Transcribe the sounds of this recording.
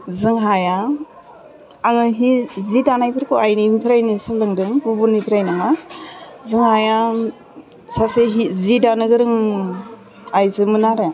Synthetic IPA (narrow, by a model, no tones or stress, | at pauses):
zɯŋɦaja | aŋɯɦizidanajpʰɯɾkʰoajniimpʰɾajnisalɯŋdɯŋbubunipʰɾajnaŋa | zɯŋhaja | saseɦizidanɯɡɯɾɯŋ | ajzɯmɯnaɾe